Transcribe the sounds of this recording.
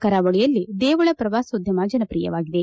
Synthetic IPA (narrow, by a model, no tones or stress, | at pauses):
kɐɾaːʋɐɭijɐlːid̪eːʋɐɭɐpɾɐʋaːsod̪ʱjɐmaːd͡ʒɐnɐpɾiːjɐ̰ʋaːɡid̪e